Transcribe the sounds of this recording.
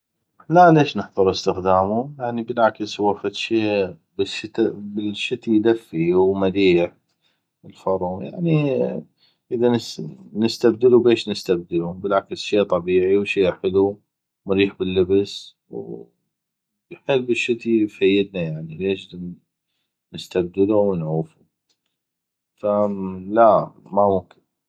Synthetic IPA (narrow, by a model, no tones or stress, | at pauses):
laleːʃnɪħðˤɨɾˤəst̪ɪxd̪aːmujaʕnibɪlʕakshwafat̪ʃeːbɪʃt̪abɪlʃːɪt̪ijd̪afːiwmad̪iːħ | ɪlfɑɾˤuja̰ʕni | ʔəðannɪst̪abd̪ɪlubeːʃnɪst̪ab̚d̪ɪlubɪlʕaksʃeːt̪ˤɑbiːʕiwʃiːħɪlu | mɾiːħbɪlːɪbs | w | jħɪlːɪʃːɪt̪ijfajːɪd̪najaʕnileːʃd̪a | nɪst̪ab̚d̪ɪluwnʕuːfu | falamamʊmkɪn